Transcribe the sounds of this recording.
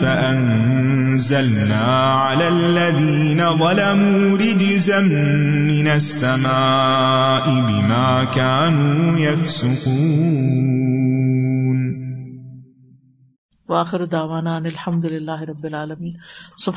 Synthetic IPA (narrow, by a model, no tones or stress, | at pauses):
faʔan | zalnaː | ʕalaːlːaðiːnawɐlamu | ɾɪd͡ʒɪzamː | ɪnasːamaː | ʔɪbɪmaːkaːnuːjafsʊquː | n | wɐaːxɪɾʊd̪aːʋaːnaɐnɪlħɐmd̪ʊlɪlːaːɦɪɾˤɐbːɪlʕaːlɐmiːnsʊb